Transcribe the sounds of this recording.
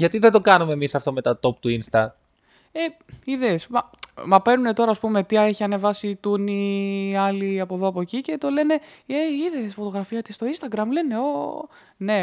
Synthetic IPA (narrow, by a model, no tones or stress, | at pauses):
ʝɐt̪iðed̪o̞kɐnumeːmisɐft̪o̞me̞t̪ɐt̪o̞p̚t̪uinst̪ɐ | e | iðesmɐmɐpe̞nune̞t̪o̞ɾɐːspume̞t̪iɐe̞çiɐne̞vɐsit̪uniɐliɐpo̞ðo̞ɐpo̞cice̞t̪o̞le̞ne̞eiðesfo̞t̪o̞ɣɾɐfiɐt̪ist̪o̞inst̪ɐɡɾɐmle̞ne̞o̞ | ne̞